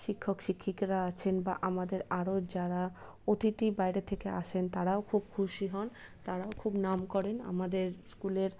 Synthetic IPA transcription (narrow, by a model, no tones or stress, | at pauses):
ʃikʰːokʃikʰːikɾaat͡ɕʰenba̰ʔamad̪eɾaɾod͡ʑaɾa | ot̪iʈibajɾet̪ʰekea̰ʃʰent̪aɾaokʰubkʰuʃiɦɔn | t̪aɾaokʰubnamkɔɾena̰mad̪eɾskuleɾ